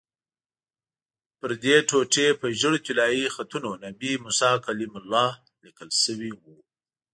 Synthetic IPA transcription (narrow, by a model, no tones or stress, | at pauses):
pəɾd̪eʈoʈepəʒəɽt̪ilɑjixat̪unonabimʊsɑkalimʊlːɑ | likəlsəwiwu